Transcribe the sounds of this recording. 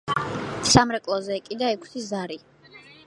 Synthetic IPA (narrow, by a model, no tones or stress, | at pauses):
samɾɛkʼlˠɔzɛːkʼid̪aɛkʷʰsʰizaɾi